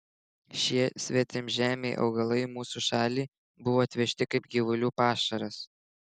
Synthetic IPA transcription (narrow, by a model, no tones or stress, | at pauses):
ʃʲiɛsʲʋʲɛt̪ʲɪmʒʲæːmʲeɪʔɒ̰ʊɡɐlˠɐɪmuːsuːʃɑːlʲiː | bʊʋoːɐt̪ʲʋʲɛʃʲt̪ʲɪkɐɪpɡʲiʋʊlʲuːpɑːʃɐɾɐs